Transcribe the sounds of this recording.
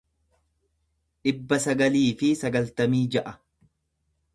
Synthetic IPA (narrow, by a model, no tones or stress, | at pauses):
ᶑɪbːɐsɐɡɐliːfɪsɐɡɐlt̪ɐmiːd͡ʒɐʔɐ